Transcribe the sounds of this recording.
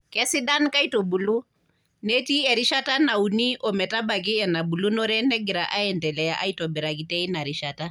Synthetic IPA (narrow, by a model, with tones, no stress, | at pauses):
kɛsiɗa˦nka˦i˦tɔ˨bulu˦ | neti˦ɛɾi˦ʃata˦na˨uni˦ʔɔmɛ˨ta˦ba˨k̬i˦ɛna˨bu˨lu˦nɔ˦ɾɛ˦nɛɡiɾaʔa˦ɛndɛlɛjaʔa˦i˦tɔbɛ˨ɾakitɛi˦na˨ɾi˨ʃata˦